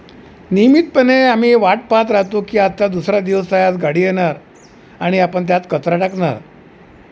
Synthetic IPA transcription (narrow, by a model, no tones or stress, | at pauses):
nimit̪̚pəneam̤iːʋaʈ̚pat̪̬ɾat̪ukiːat̪ːad̪usɾad̪iʋəsajat̪ɡaɽiːjeɽaɾ | aɽ̃iapəɳt̪̬jat̪kət̪ɾaʈakɳa̰ɾ